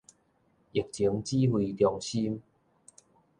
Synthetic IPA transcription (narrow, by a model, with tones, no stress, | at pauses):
i˨˩k̚t͡ɕi˨˦əŋt͡ɕi˦hwi˧t̪jɔ˧ŋɕi˦m